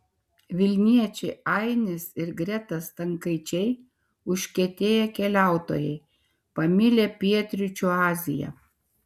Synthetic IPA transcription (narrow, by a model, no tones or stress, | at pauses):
ʋʲɪlʲnʲiɛt͡ʃʲɛɪɐˑɪnʲɪsɪɾɡɾʲɛt̪ɐst̪ɐŋkɐɪt͡ʃʲɛɪ | ʊʃʲkʲɛt̪ʲeːjɛkʲɛlʲæˑʊt̪o̰ːjɛɪ | pɐmʲɪlʲeːpʲiɛt̪ʲɾʲɪt͡ʃʲuɑːzʲɪjɛ̰